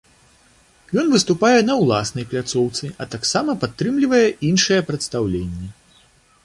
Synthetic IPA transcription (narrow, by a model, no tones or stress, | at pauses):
jɔn̪vɨst̪upajɛnɐwlˠasnɐjplʲat̪sɔwt̪sɨɐt̪aksamɐpat̪ːɾɨmlʲivɐjɛʔinʂɨjɛpɾɐt̪st̪awlʲenʲːɛ